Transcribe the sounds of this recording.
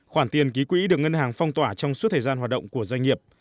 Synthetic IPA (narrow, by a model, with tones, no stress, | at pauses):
xwaː˧˩nt̪i˨˩ənki˨˦kwḭ˧˥ɗɨ˨˩ək̚ŋə˧nhaː˨˩ŋfɔ˧wŋ͡mt̪waː˧˩t͡ɕɔ˧wŋ͡msu˦˥t̪̚ʰəː˨˩zaː˧nhaː˨˩ɗə̰˧˨wŋ͡mku˧˩əzwa˧jŋ̟ŋi˨˩əp̚